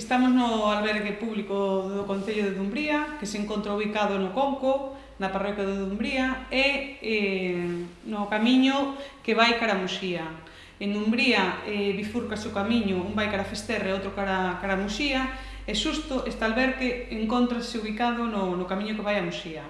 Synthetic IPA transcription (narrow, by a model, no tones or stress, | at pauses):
est̪amoznʊalβɛɾɣepuβlikoðokõn̟θeʎʊðeðumbɾiakeseŋkont̪ɾauβikaðʊnokoŋko | naparɔkjaðeðumbɾiaee | nokamiɲʊkeβajkaɾamusia | enumbɾiaeβiθuɾkaseʊkamiɲʊumbajkaɾafest̪ereowt̪ɾokaɾakaɾamuʃia | eʃust̪ʊʔest̪alβɛɾɣeeŋkont̪ɾaseuβikaðʊnʊnʊkamiɲʊkeβajamusʃia